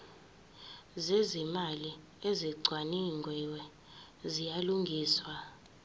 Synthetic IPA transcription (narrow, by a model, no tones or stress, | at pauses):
zɛzimali | eziɡ͡ǀʱwaniŋʱwiwɛ | zijaluŋɡʱiːswa